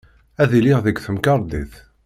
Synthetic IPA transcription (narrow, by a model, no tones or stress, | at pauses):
æðiliʁðəɡθəmkɑɾˤd̪iθ